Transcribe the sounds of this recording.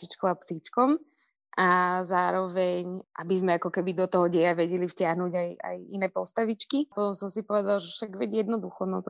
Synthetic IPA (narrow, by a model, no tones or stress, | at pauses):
it͡ʃkɔʊapsit͡ʃkɔm | ʔazaːɾɔʋɛɲʔabizmɛakɔkɛbid̪ɔt̪ɔɦɔɟɛjaʋɛɟɛlifscɪaɦnuɟaja̰jḭnɛːpɔst̪aʋit͡ʃkipɔt̪ɔmsɔmsipɔʋɛd̪alʒɛfʃaɡʋɛɟjɛd̪nɔd̪uxɔnɔp